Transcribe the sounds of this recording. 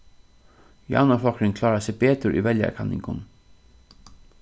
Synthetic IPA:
jɑ̰naflɔkɾɪŋkʰlɑːɹasɛbeːt̪ʊɾʔḭʋɛlja̰kʰanɪ̰ŋkʊ̰n

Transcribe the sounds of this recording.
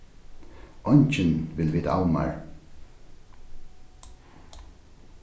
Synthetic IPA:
ɔɲt͡ʃɪnʋɪlʋiːt̪a̰wma̰ɹ

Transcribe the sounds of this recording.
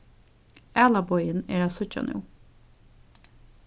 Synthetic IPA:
æːlabɔʏənḛːɾaːsœt͡ʃa̰nṵː

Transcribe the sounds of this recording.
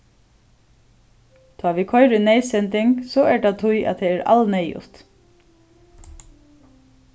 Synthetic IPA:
t̪ʰɑːʋikʰɔʏɾʏnɛjsɛnt̪ɪŋksɔɛɹɖat̪ʰʊjʔa̰ðt̪ʰɛɛɾa̰lnɛːjʊ̰t̪

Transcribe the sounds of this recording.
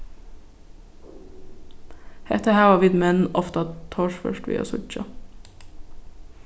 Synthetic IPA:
hɛ̰t̪ʰəhæːʋɑːʋɪːd̪mɛnɔft̪ɑt̪ʰoːʃfœ̰ʃʈʋḭːʔɑ̰ːsʊ̰t͡ʃɑ̰

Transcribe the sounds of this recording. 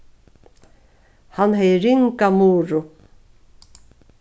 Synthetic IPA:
hanhɛjɾɪŋkamuːɾʊ

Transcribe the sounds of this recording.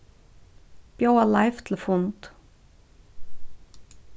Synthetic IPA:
b̥joʊalaɪft̪ʰl̩fʊnt̪

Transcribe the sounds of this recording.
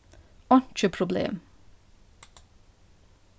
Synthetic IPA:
ɔnt͡ʃəpʰɾʊblḛːm

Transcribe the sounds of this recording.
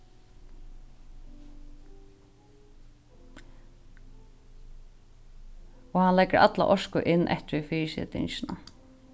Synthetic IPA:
ɔhanlɛɡəɹʔa̰t̪la̰ʔɔʂkʊʔɪnːʔɛ̰ht̪ɾifiːsɪ̰t̪ɪ̰nʃɪna

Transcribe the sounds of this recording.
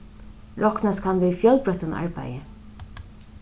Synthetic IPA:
ɹɔknaskʰanvɪðfjœlpɾœht̪ʊna̰ɹpa̰jɪ

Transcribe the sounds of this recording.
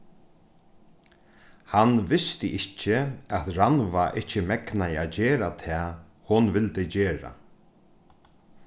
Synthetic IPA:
hanʋɪst̪ɪʔɪcːɪɛt̪ɾanʋaʔɪht͡ʃːɪmɛknaɪad͡ʑeːɾat̪ʰɛː | hʊnʋɪlt̪ɪd͡ʑeːɾa̰

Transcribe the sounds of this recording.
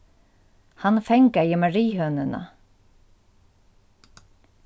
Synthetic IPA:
hanfɛŋkajəmaɹiːhœːnəna̰

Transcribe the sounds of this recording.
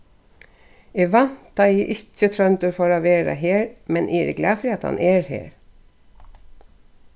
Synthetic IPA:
ɪʋɑnt̪ɑiːʔɪçət̪ʰɾœnt̪ɔɾfɔɾɑːʋeːɾɑ̰ɦeːɾmɛnʔiːɾɪ̰ɡlɑːfɾiːɑt̪hɑ̰nʔeːɾhḛːɾ

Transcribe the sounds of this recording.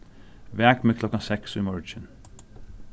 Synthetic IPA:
ʋæːɡ̥meːkʰlɔkəsɛksʊɪmɔɹd͡ʒən

